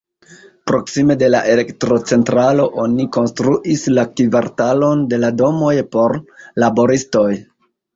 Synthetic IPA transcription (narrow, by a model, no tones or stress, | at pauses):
pɾo̞ksime̞de̞laʔe̞le̞ktɾo̞t͡se̞ntɾaloʔo̞niko̞nstɾuʔislakivaɾtalo̞nde̞lado̞mo̞jpo̞ɾlabo̞ɾisto̞j